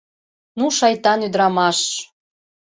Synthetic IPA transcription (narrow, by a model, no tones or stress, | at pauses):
nuʃɑjt̪ɑnyd̪ɾɑmɑʃ